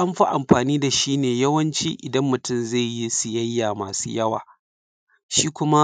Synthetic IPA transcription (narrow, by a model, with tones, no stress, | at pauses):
ʔa˦mɸa˦ʔa˨mɸaː˨niː˦da˨ʃiː˦neː˨jɐ˦wɐ˦nt͡ʃiː˦ʔɪ˨dɐ˦mːʊ˨tʊ˦˨mza˦˨jji˦sʊ˨jɐ˦jːaː˨maː˨suː˦jɐ˦wa̰ː˨ | ʃiː˦kʷʊ˦ma˦